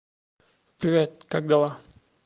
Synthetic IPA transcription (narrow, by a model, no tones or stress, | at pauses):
pɾivʲet̪̚kak̚d̪ala